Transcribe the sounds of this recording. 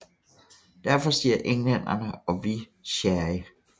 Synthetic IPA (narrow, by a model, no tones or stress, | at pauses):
d̥æɐfɒ̽siɐ̰ʔeŋlæn̰ɐnəɒ̽ʋi | ɕæɐə